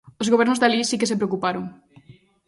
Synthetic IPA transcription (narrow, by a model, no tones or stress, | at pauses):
ozɣoβ̞ɛɾnozðalisikes̬epɾeokupaɾoŋ